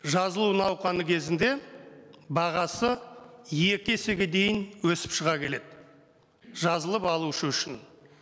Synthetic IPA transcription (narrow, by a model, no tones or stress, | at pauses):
ʒɑzəlˠunɑwqɑnəkʲʰe̞zɪnd̪e̞ | bɑʁɑsəje̞kʲɪese̞ɡʲe̞d̪e̞jɪnwɵsɪ̥pʃəʁɑkʲʰe̞le̞d̪ɪ | ʒɑzəlˠəpɑlˠuʃəʏʃɪn